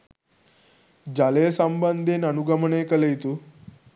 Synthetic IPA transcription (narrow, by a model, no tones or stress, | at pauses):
d͡ʑalesəmbənd̪ʱenənuɡəməɳekəlejt̪u